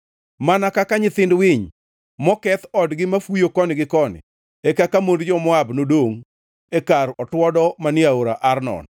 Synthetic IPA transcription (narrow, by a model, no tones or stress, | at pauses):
manakakaɲɪt̪ɪndwɪɲ | mɔkɛt̪ɔdɡɪmafujokɔnɪɡɪkɔnɪ̰ | ekakamondd͡ʒɔmwabnodoŋ | ekarɔtwɔdɔmanɪaoɾaʔarnɔ̰n